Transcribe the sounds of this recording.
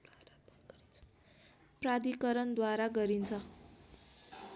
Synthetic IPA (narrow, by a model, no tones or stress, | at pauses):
prad̪ikʌɾʌnd̪waɾaɡʌɾint͡sʰʌ